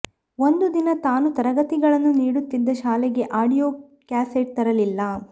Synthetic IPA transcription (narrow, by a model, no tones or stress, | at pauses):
o̞nd̪ud̪inɐt̪aːnut̪ɐɾɐɡɐt̪iɡɐɭɐnːuniːɽut̪ːid̪ːɐʃaːlɛɡe̞ʔaːɽijoː | kaːseʈ̚t̪ɐɾɐlilːɐ